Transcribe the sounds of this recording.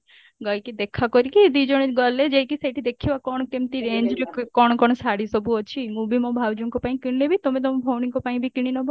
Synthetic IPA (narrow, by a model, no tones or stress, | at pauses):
ɡɔjkid̪ekʰakɔɾikid̪id͡ʒɔɽ̃eɡɔled͡ʒejkisajʈʰid̪ekʰiʋakɔɳ̃kemt̪iɾend͡ʒɾekkɔɳ̃kɔɳ̃ɔsaɽisɔbʱuɔt͡ʃʰimubimɔ̃bʱaʋd͡ʒuŋkopaĩkiɽinebʱit̪ɔmẽt̪̬ɔmpʰoniŋkopaĩbʱikiɽ̃inɔbʱɔ